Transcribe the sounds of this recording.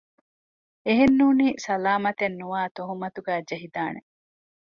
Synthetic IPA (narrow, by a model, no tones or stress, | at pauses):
eɦenːuːniːsɐlaːmɐt̪enːuʋaːt̪oɦumɐt̪uɡæːd͡ʒɐɦid̪aːne